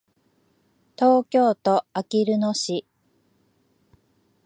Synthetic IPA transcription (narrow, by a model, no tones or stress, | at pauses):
t̪o̞ːkʲo̞ːt̪o̞akʲiɾɯ̟noɕi